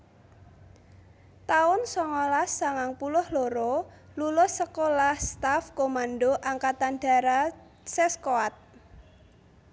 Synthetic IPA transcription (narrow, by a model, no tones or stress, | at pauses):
t̪aʊnsɔŋɔlasːaŋaŋpulʊhloɾolulʊsːəkolahst̪afkomandɖoʔaŋkat̪anɖ̥a̤ɾa | seskoat̪̚